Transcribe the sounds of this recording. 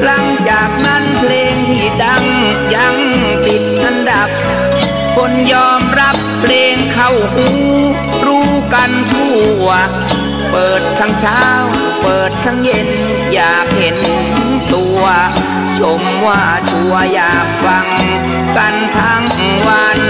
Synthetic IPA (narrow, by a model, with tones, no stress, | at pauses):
la˧˥˩ŋt͡ɕaː˨˩k̚na˧˥˨npʰleː˧ŋt̪ʰiː˧˩da˧˩ŋ | ja˧˥ŋ | t̪i˨˩t̪̚ʔa˧nda˨˩p̚ːʰ | o˧˥njɔː˧˥mɾa˦˥pʰːleː˧ŋkʰa˧˩wʔuː˧˥ | ɾuː˧˥ka˧nt̪ʰuː˧˥˩ɐ | pɤː˨˩t̪̚k̪ʰaː˧˥ŋt͡ɕʰaː˥˩w | pɤː˨˩t̪̚k̪ʰaː˧˩ŋje˧n | jaː˨˩k̚he˨˦n | t̪ʰɯ˧˥ŋt̪u˧ɐ | t͡ɕʰo˨˧˦mwaː˧˩t͡ɕ̪u˧˩ɐjaː˨˩k̚fa˧ŋ | ka˧nt̪ʰaː˦˧˥ŋ˧wa˧n